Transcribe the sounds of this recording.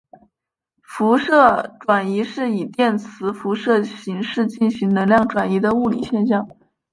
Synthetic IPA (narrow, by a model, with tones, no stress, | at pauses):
fu˧˥ʂɤ˥˩ʈ͡ʂwa˨˩ni˧˥ʂɻ̩˥˩i˨˩t̪jɛ˥˩nt͡sʰɹ̩˧˥fu˧˥ʂɤ˥˩ɕi˧˥ŋʂɻ̩˥˧t͡ɕi˥˩nɕi˧˥ŋnɤ˧˥ŋljɑ˥˩ŋʈ͡ʂwa˨˩ni˧˥d̪ə˧u˥˩lḭ˨˩ɕjɛ˥˧nɕjɑ˥˩ŋ